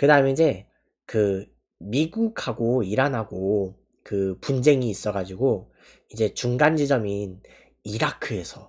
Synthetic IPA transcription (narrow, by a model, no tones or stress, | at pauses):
kɯdaɯmeid͡ʑe̞ | kɯ | miɡukʰaɡoiɾanɦaɡo | kɯpund͡ʑe̞ŋiːs͈ʌɡad͡ʑiɡo | id͡ʑe̞t͡ɕuŋɡand͡ʑid͡ʑʌmin | iɾakʰɯe̞sʰʌ